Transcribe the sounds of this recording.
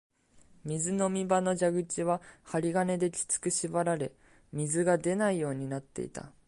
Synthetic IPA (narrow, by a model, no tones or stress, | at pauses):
mʲizɨno̞mʲibano̞d͡ʑaɡɯ̟t͡ɕiβahaɾʲiɡane̞d̪e̞kʲi̥t͡sɨ̥kɯ̟ɕibaɾaɾe̞ | mʲizɨɡad̪e̞naijo̞ːɲ̟inat̪ːe̞̰ḭt̪a̰